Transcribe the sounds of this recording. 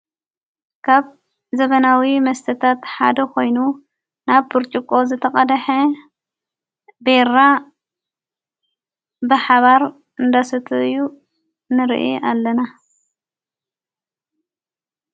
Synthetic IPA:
kʰaβ | zɐβɐnawimɐst̪ʰɐt̪ʰat̪ħa̰d̪ɐkʰo̞jnu | naβpɨɾt͡ʃʼikʼo̞zɨt̪ʰɐχʼɐd̪ɐħe | beɾa | bɨħaβaɾ | ɨnd̪asɨt̪ʰɨɨju | nɨɾ̰ʔḭʔalːɐna

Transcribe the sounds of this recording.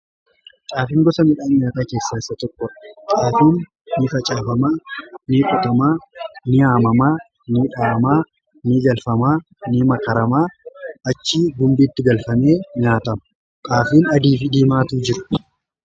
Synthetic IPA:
t̪ʼaːfɪːŋɡɔsɐmɪᶑaːɲɲaːt̪aːke̞ːsːaːɪsːɐt̪ɔkːɔᶑɐ̥t̪ʼaːfiːnː | ɪfɐt͡ʃʼaːfɐmaːnɪkʼʊt̪ɐmaːnɪaːmɐmaː | nɪᶑaːɐmaː | nɪd͡ʒɐlfɐmaː | nɪmɐkɐɾɐmaːɐt͡ʃːiːɡʊmbiːɪt̪ːɪɡɐlfɐme̞ːɲaːt̪ɐmʊ̥ | k̪ʼaːfiːnɐd̪iːfɪd̪iːmaːt̪uːd͡ʒɪɾʊ̥

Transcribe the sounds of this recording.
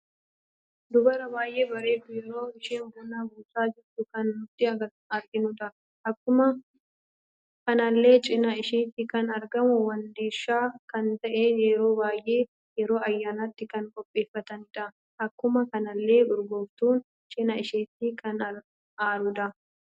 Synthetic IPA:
d̪ʊbɐɾɐbaːjʔe̞ːbɐɾe̞ːd̪ʊjɛɾo̞ːɪʃeːnbʊnaːbuːt̪aːd͡ʒɪɾt̪ʊkɐnːʊt̪ːɪɐɐ | ɐɾɡɪnʊd̪ɐ | ʔɐkːʊmɐ | kɐnɐlːe̞ːt͡ʃʼɪnɐɪʃiːt̪ɪkɐnɐɾɡɐmʊwɐnd̪iːʃːaːkɐnt̪ɐʔeːjɛɾo̞ːbaːjʔe̞ː | jɛɾo̞ːɐjːaːnɐt̪ːɪkɐŋkʼɔpʼːe̞ːfːɐt̪ɐnɪᶑɐ | ʔɐkːʊmɐkɐnɐlːe̞ːʊɾɡoːbt̪uːn | t͡ʃʼɪnɐɪʃeːt̪ːɪkʰɐnɐ | aːɾʊd̪ɐ

